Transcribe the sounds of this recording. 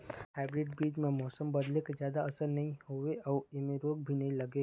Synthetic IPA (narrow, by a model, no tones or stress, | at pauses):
ɦɛːbɾɪɖbiːd͡ʒmẽmɔːsəmbɐd̪lekezjaːd̪aɐsəɾnɐɦĩɦoʋeʔɔːɪmeɾoːɡ̚bʱinɐɦĩlɐɡeː